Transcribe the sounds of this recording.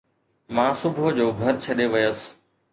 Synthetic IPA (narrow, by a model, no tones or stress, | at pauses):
mãːsʊbʱod͡ʑoːɡʱɐɾt͡ɕʰɐɗeʋɪjəs̆